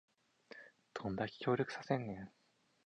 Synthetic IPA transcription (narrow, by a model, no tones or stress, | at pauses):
t̪ʰõnd̪akʲi̥kʲo̞ːɾʲo̞kɯ̟̥sasẽ̞nːẽŋ